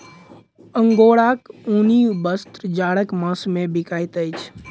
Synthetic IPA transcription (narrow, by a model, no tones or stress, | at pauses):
əŋɡoɽakũnibəst̪ɾd͡ʒaɽəkmə̃smẽbikajt̪əjt͡ʃʰ